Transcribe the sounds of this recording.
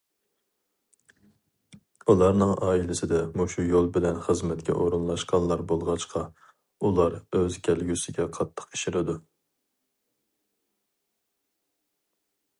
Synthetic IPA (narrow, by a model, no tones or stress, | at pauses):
ulˠɑɾnɨŋɑːilɪsɪd̪ɛmuʃujolˠbɪlɛnχəzmɛt̪kʲʰɛ̰ʔoɾunlˠɑʃqɑnlˠɑɾbolˠʁɑt͡ʃqʰɑ | ulˠɑɾøzkʲʰælɡʲysɪɡʲɛqʰɑt̪ʰːə̥qi̥ʃɪɾɪd̪u